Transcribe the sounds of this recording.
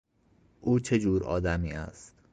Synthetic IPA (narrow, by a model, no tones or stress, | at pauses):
ʔuːt͡ʃʰed͡ʒuːɾɒ̰ːd̪æmiːæ̰st̪